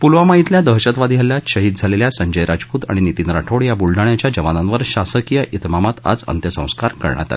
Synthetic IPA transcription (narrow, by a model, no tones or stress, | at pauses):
pulʋamaɦit̪ljad̪əɦɕət̪ʋad̪ɡʱɛljaɕəɦiːd̪̚d͡zʱaleljasəɲd͡ʑəjɾad͡zpuːt̪a̰ɽ̃init̪inɾaʈʰoɽjabulɖaɳjat͡ɕjad͡ʑəʋananʋəɾɕasəkijəʔit̪mamat̪a̰d͡zə̰nt̪jəsə̰̃w̃skaɾkə̰ɾɳja̰t̪al